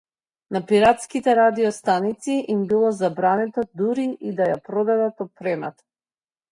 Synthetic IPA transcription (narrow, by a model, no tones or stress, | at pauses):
napiɾat̪skit̪ɛɾad̪iɔst̪anit̪siʔimbilˠɔzabɾanɛt̪ɔd̪uɾiʔid̪ajapɾɔd̪ad̪at̪ɔt̪̚pɾɛma̰t̪ḁ